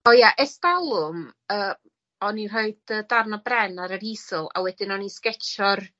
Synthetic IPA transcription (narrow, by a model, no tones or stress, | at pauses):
ojaʔɛstalˠʊməː | ɔnir̥ɔɨdədarnabrɛnaɾəɾisɔlˠa̰wɛdɪnɔniskɛt͡ʃʰɔr